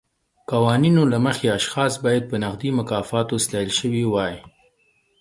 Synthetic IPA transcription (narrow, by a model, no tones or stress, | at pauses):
qɑwɑninolaməxeaʃxɑsbɑjad̪̚pənaqd̪imʊkɑfɑt̪ost̪ɑjəlʃəwiwɑj